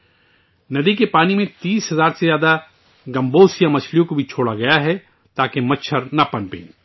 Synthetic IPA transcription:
nɐd̪ikepaːnimẽt̪iːsɦɐzaːɾsezjaːd̪a | ɡɐ̃mboːsjãmɐt͡ʃʰlijõkobʱit͡ʃʰoːɽaɡɐjaɦɛ | t̪aːkemɐtːʃʰəɾnɐpɐnpḛ̃ː

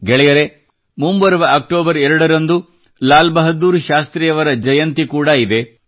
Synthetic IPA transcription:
ɡɛɭɛjɐɾe̞ | mumbɐɾɐʋɐːk̚ʈoːbɐɾɛɾɐɽɐɾɐnd̪u | laːlbɐɦɐd̪uːɾʃaːst̪ɾɛjɐʋɐɾɐd͡ʒɐjɐnt̪ikuːɽɐid̪e̞

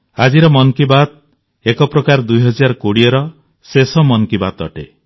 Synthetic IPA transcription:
ad͡ʒiɾɔmɔŋkibat̪̚ | ekɔpɾɔkaɾd̪ujɦɔd͡ʒaɾkoɽiɔɾɔ | sesɔmɔŋkibat̪ɔ̰ʈe

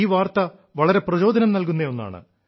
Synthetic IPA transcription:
iːʋaːrt̪ɐ | ʋɐɭɐɾe̞prɐt͡ɕo̞ːd̪ʱɐnɐmnɐlkunːeo̞nːa̰ːɳɨ̰

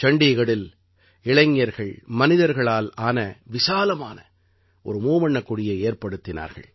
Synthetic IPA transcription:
t͡ʃɐɳɖiɣɐɽɪl | ɪɭɐŋːɐɾɣɐɭmɐnɪðɐɾɣɐɭaːlaːnɐʋɪsaːlɐmaːnɐ | ʔɔ̰ɾɯmuːmɐɳːɐkːʊɽɪjɐeːɾpɐɽɯt̪ːɪna̰ːɾɣɐ̰ɭ

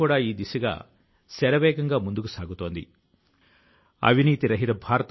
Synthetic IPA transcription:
uːɽaːiːd̪isuɡa̰ː | sɛɾɐʋɛːɡɐŋɡaːmund̪ukusaːɡut̪o̞ːnd̪ḭ | ɐ̰ʋʱiniːt̪iɾɐɦiɾɐbʱaːɾɐt̪

